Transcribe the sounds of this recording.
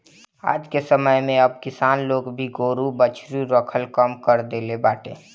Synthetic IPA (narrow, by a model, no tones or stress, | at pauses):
a̰ːd͡ʒkesəməjmẽəb̚kɪsaːnloːɡbʱiɡoːɾubət͡ʃʰɾuɾəkʰəlkəmkəɾd̪eːlebaːʈḛ̃ː